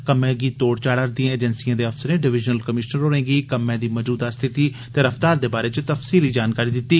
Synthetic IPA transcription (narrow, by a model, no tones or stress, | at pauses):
kəmẽːɡiːt̪oːɽt͡ʃaːɽəɾd̪ijãːeːd͡ʒənsijãːd̪eːəfsəɾẽːɖɪʋɪd͡ʒnəlkəmɪʃnəɾoːɾẽːɡiːkəmːɛ̃ːd̪iːməd͡ʒuːd̪aːst̪ʰɪt̪iː | t̪eːɾəfʰt̪aːɾd̪eːbaːɾeːt͡ʃt̪əfsiːliːd͡ʒaːnkaːɾiːd̪ɪt̪ːiː